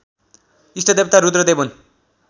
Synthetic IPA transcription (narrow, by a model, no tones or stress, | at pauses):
isʈʰʌd̪ebt̪ʰaɾud̪ɾʌd̪ebun